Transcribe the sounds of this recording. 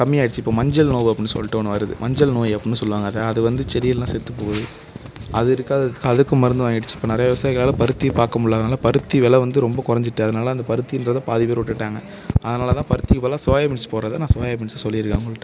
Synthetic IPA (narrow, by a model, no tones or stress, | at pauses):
kɐmːɪjaːɪɽɯt͡ʃːɯɪpːoːmɐɲd͡ʒɐlnoːʋɯɐpːɽɪnːɯsɔ̰lːɪʈːɐʋnːɐʋɐɾɯðɯ̰mɐɲd͡ʒɐlnoːjɐpːɪnːɯsɔlːɯʋaːŋɡɐðɐɐðɯʋɐnd̪ɯt͡ʃɛɾɪjɐllãːsɛt̪ːɯpoːɣɐðɯ | ɐðɯɪɾɯkːaːðkːɯɐðɯkːɯ̃mɐɾɐnd̪ɯʋaːŋɡɪɽɯt͡ʃːɯɪpːoːnɪɾɐjɐʋɪʋɐsaːjɪɣɐɭaːlɐ̃pɐɾɯt̪ːijpaːɾkɐmʊɽːaːðɐnaːlɐpɐɾɯt̪ːiʋɛlɐʋɐnd̪ɯɾɔmbɐkʊɾɐɲd͡ʒɪʈːɯɐðɐnaːlɐɐnd̪ɐpɐɾɯt̪ːiɪndɾɐt̪ãːpaːðɪpeːɾʋʊʈːɪʈːaːŋɡɐ | ɐðɐnaːlɐt̪ãːpɐɾɯt̪ːɪkːɯpːoːlaːsaːjɐmɪsɯ̥poːɾɐðɐnãːsaːjɐmɪnssɔlːɪɪɾɯkːɐːŋɡɐɭːɪʈːɯ